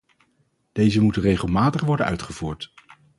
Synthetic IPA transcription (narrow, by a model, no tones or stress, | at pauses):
d̥ejzəmutənrejχəlˠmaːtəχʋɔɹdənœɥtχəvuːɹt